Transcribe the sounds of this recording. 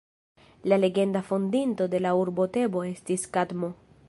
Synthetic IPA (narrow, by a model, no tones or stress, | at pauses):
lale̞ɡe̞ndafondinto̞de̞lauɾbo̞te̞bo̞e̞stiskadmo̞